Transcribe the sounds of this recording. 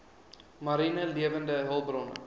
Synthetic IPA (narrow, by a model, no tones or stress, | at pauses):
mɐɾinəliəvəndəɦəlˠbrɔnə̰